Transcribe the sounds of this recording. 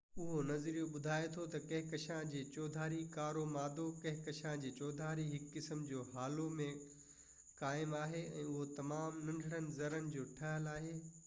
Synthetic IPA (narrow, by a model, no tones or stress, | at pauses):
ʊɦonɐzɾiːjoɓʊd̪ʱaːjet̪ʰot̪ɐkɐ̃ɦɪ̃kɐʃãd͡ʑeːt͡ɕɔːd̪ʱaːɾikaːɾomaːd̪okɐ̃ɦɪ̃kɐʃãd͡ʑeːt͡ɕɔːd̪ʱaːɾiɦɪkːɪsəmd͡ʑoːɦaːlomẽ | kaːɪmaːɦeɛ̰̃ːʊɦot̪ɐmaːmnɐ̃ɳɖʱəɽ̃ənɪ̆zɐɾənɪ̆d͡ʑoːʈʰɐɦəlaːɦeː